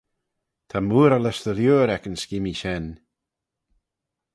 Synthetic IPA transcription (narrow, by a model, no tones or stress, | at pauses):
t̪ʰamuːɾaləsðəljuːɾɛkənskɪmiʃɛn